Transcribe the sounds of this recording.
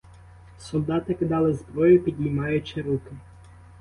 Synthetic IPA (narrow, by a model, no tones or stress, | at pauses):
sɔlˠd̪ɑt̪ɪkɪd̪ɑlˠɪzbɾɔjʊpʲid̪ʲnʲimɑjʊt͡ʃɪɾukɪ